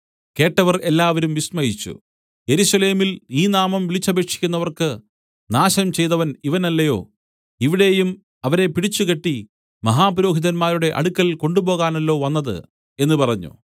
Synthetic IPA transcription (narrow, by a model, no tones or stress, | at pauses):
ke̞ːʈːɐʋɐre̞lːaːʋɐɾumʋismɐjit͡ɕːṵ | je̞ɾuɕɐle̞ːmiliːnaːmɐmʋilit͡ɕːɐbe̞ːkʂi̥kʲːunːɐʋɐrkɨ | naːɕɐmt͡ɕe̞jt̪ɐʋɐniʋɐnɐlːɐjo̞̰ː | iʋiɽe̞ːjum | ɐʋɐɾe̞piɽit͡ɕːukeʈːi | mɐɦaːpɾo̞ːɦiðɐnmaːɾuɽe̞ʔɐ̰ɽukːɐlko̞ɳɖupo̞ːɣaːnɐlːo̞ːʋɐnːɐðɨ̰ | e̞nːupɐrɐɲːṵ